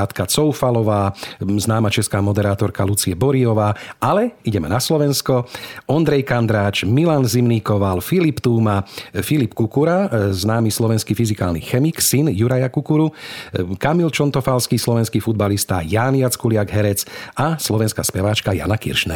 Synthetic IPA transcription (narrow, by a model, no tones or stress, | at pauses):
t̪kat͡sɔʊfalɔʋaːznaːmat͡ʃɛskaːmɔd̪ɛɾaːt̪ɔɾkalut͡siɛbɔɾiɔʋaːʔalɛiɟɛmɛ̰naslɔʋɛnskɔɔnd̪ɾɛjkand̪ɾaːt͡ʃmilanzimniːkɔʋalfilipt̪uːmafilipkukuɾaznaːmislɔʋɛnskiːfizikaːlnḭxɛmiksinjuɾajakukuɾu | kamilt͡ʃɔnt̪ɔfalskiːslɔʋɛnskiːfud̪̚balist̪a̰jaːnjat͡skulɪaɡɦɛɾɛt͡saslɔʋɛnskaspɛʋaːt͡ʃkaja̰nakḭɾʃnɛ̰